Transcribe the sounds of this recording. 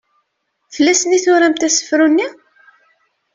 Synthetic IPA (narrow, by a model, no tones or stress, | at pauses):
fəlːæsəniθʊɾæmt̪æsə̥fɾunːi